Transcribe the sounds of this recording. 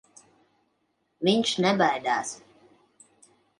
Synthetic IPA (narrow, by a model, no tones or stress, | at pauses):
vʲiɲʃnɛbajd̪aːs